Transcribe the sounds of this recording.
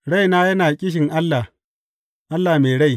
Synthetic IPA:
ɽa˦˨jnaː˦jɐ˦naː˨kʲʼɪ˦ʃ̬ɪ˨ŋʔa˦lːa˨ | ʔa˦lːaː˨meː˨ɽa˦˨j

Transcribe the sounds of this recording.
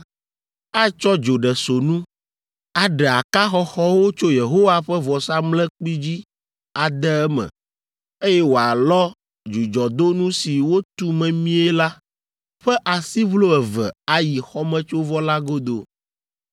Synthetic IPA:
a˦t͡ʃɔ˦d͡ʒo˨ɖɛ˨so˨nũ˦ | a˨ɖɛ˨a˨ka˦xɔ˦xɔ˦wo˦t͡ʃo˦je˨ɦo˦wa˦ɸɛ˦vɔ˨sa˦mlɛ˦k͡pi˦d͡ʑi˦ | a˨d̪ɛ˦ɛ˦mɛ̰̃˨ | e˦jɛ˦wo˨a˨lɔ˦ | d͡ʒu˨d͡ʒɔ˨d̪o˦nũ˦si˨wo˦t̪u˦mɛ̃˨mĩ˦ɛ˦la˦ | ɸɛ˦ʔa˨si˦βlo˦ɛ˨vɛ̰˨a˦ji˨xɔ˦mɛ̃˦t͡ʃo˦vɔ˦la˦ɡo˦d̪o˨

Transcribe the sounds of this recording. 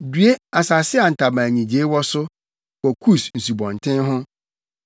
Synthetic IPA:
dɥe˦a˨sa˨sɪ˦a˨n̩˨tʰa˨bã˨ɲĩ˨d͡ʑe˦wɔ˦sʊ˦ | kɔ˨kʰu˦sn̩˨su˨bɔ̃˨ntʰɪ̃˦nɦʊ̃˦

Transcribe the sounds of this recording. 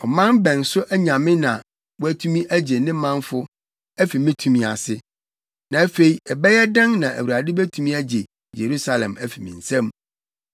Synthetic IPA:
ɔ˨mã˦nbɛ̃˨n˨sʊ˦ʔæ˦ɲã˨mɪ̃˦nã˨ | wæ˦tʰũ˦mĩ˦ʔæ˦d͡ʑe˨nɪ̃˦mã˦nfʊ˦ | æ˦fi˨mɪ̃˦tʰũ˨mĩ˨a̰˨sɪ˦ | nã˨æ˦fe˨i˨ɛ˨bɛ˦jɛ˦dã˦ŋnã˨ʔæ̰˨wu˨ɾa˨dɪ˦bæ˦tʰũ˦mĩ˦æ˦d͡ʑe˨ | je˨ɾu˦sa˨lɛ̰̃˨mæ˦fi˨mĩ˨n̩˨sɛ̃˦m

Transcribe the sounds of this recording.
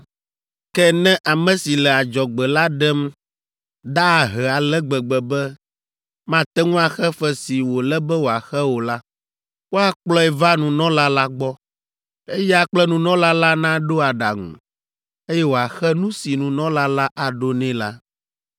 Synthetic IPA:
kɛ˦nɛ̃˦ʔa˨mɛ̃˨si˨lɛ˨a˨d͡ʒɔ˨ɡ͡bɛ˨la˦ɖɛ˦m | ɖa˦˨ɦɛ˨a˨lɛ˦ɡ͡bɛ˨ɡ͡bɛ˨bɛ˦ | mã˦t̪ɛ˦ŋũ˦a˨xɛ˦fɛ˦si˨wo˨lɛ˦bɛ˦wo˨a˨xɛ˦wo˨la˦ | wo˦a˦k͡plɔ˦ɛ˨va˦nũ˨nɔ̃˦la˦la˦ɡ͡bɔ˦ | e˦jɛ˦a˨k͡plɛ˦nũ˨nɔ̃˦la˦la˦nã˦ɖo˦a˨ɖa˨ŋṵ̃˨ | e˦jɛ˦wo˨a˨xɛ˦nũ˦si˨nũ˨nɔ̃˦la˦la˦ʔa˨ɖo˦nɛ̃˦la˦

